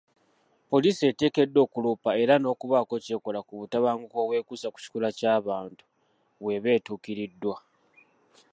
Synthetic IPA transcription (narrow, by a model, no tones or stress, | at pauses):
po̞liːsie̞te̞ːke̞dːo̞ːkuluːpae̞ɾano̞ːkuβako̞ce̞ːko̞lakuβutaβaːŋɡuko̞βwe̞ːkusaku̥ci̥kulacaːβaːntu̥ | βwe̞βe̞ːtuːkiɾidːwa